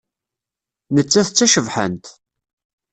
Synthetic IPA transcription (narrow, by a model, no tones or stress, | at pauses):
nət͡sːæθt͡sːæʃəvħə̰nt̪